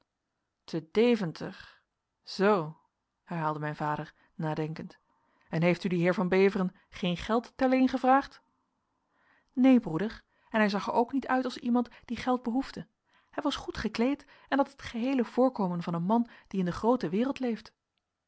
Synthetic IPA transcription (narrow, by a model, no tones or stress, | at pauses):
tʰədejvəntʰə̰χ | z̥ow | hɛɹɦaːlˠdəmɛjnvaːdəɹ | naːdɛŋkənt | ɛnɦejftydiɦɪːɹvɑnbejvərən | χejnχɛlˠttɛɹlɪnχəvraːχt | nejbrudəɹ | ɛnɦɛjzɑχəɹowknitœɥtɑlˠsimɑntd̥iχɛlˠd̚bəɦuvdə | hɛjʋɑsχutχəklejt | ɛnɑtətχəɦejləv̥ʊːɹkowmənvɑnənmɑnd̥iɪndəχrowtəʋɪːrəlˠtlejft